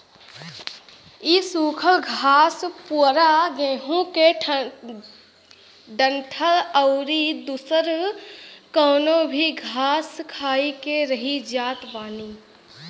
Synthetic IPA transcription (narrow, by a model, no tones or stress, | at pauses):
isuːkʰəlɡʱaːspuɾaɡẽːɦũke | ɖənʈʰələʊɾid̪usəɾ | kəːnobʱiɡʱaːskʰaːikeɾəɦid͡ʒaːt̪baːni